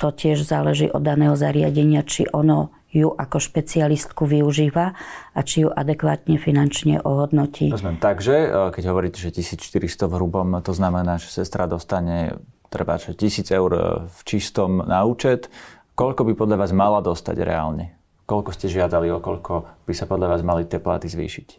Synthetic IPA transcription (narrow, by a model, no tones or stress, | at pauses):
t̪ɔcɪɛʒzaːlɛʒḭːʔɔ̰d̪ːanɛːɦɔzaɾɪa̰ɟɛɲɪat͡ʃḭʔɔnɔ | juʔakɔʃpɛt͡sialist̪kuʋiuʒiːʋaʔat͡ʃijuʔa̰d̪ɛkʋaːt̪ɲɛfinant͡ʃɲɛ̰ʔɔɦɔd̪nɔcḭːzmɛnt̪aɡʒɛkɛɟɦɔʋɔɾiːcɛʒɛcisiːt͡sʃt̪iɾist̪ɔvɦɾubɔmt̪ɔznamɛnaːʒɛ̥sɛst̪ɾad̪ɔst̪aɲɛ | t̪ɾɛba̰ʒɛcisiːd͡zɛʊɾft͡ʃist̪ɔmnauːt͡ʃɛt̪ | kɔʎkɔbipɔd̪ʎaʋaːzmalad̪ɔst̪a̰ɟɾɛ̰a̰ːlɲɛ | kɔʎkɔscɛʒɪad̪aliɔkɔʎkʰɔb̥isapɔd̪ʎaʋaːzmalit̪ɪɛpla̰ːt̪izʋḭːʃic